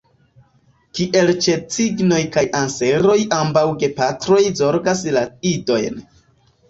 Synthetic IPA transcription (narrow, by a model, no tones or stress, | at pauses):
kiʔe̞lt͡ʃe̞t͡siɡno̞jkajʔanse̞ɾo̞jʔambawɡe̞patɾo̞jzo̞ɾɡaslaido̞jn